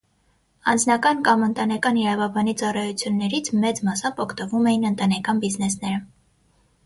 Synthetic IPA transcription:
ɑnd͡znɑkɑnkɑmənt̪ɑnɛkɑniɾɑvɑbɑnit͡sɑrɑjut͡sʰjunːɛɾit͡sʰmɛt͡smɑsɑpɔkʰt̪əvumɛjinənt̪ɑnɛkɑnbiznɛsnɛɾə

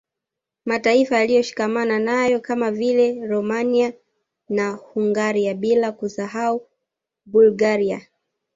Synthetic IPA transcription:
mataifajalijɔʃi̥kamananajɔkamavilɛɾɔmania | nahuŋɡaɾiaɓilakusahau | bulɡaɾia

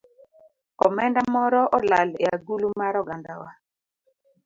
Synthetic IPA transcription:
ɔmɛndamɔɾɔʔɔlaleaɡulumaɾɔɡandawa

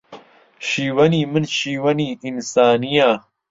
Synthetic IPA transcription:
ɕiːwɐniːminɕiːwɐniinsaːnija

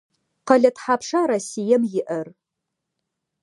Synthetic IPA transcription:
qɐɮɐtħaːpʂaɾɐsijɐmjɪʔɐr

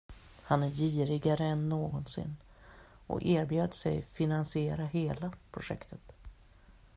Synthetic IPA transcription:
hanæɾjiːɾɪɡaɾəɛnːoːɡɔnsɪ̰nː | ɔ̰eːɾbjøːd̪əsɛ̰jfɪnansɪeːɾaɦeːlapʰɾʊʂɛ̰kt̪ʰət̪

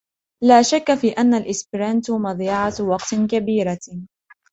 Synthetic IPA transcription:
laːʃakːafiːʔanːalʔɪsbɪɾant̪mɑðˤjɑʕat̪wɑqt̪kabiːɾa

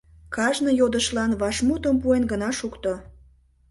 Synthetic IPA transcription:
kɑʒnəjod̪əʃlɑnβɑʃmut̪əmpuenɡənɑʃukt̪o

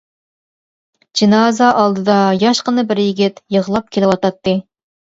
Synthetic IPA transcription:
d͡ʒinɑzɑʔɑlˠd̪ɨd̪ɑjɑʃqənɨbɪɾjiɡʲɪt̪jəʁlˠɑp̚kʲʰelɪwɑt̪ɑt̪ːɨ

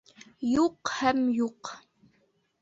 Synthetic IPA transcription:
juqhæmjuq

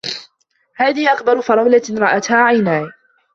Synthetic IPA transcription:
haːðɪhʔakbɑɾˤʊfɑɾˤɑwlaɾˤɑʔat̪haːʕajnaːj

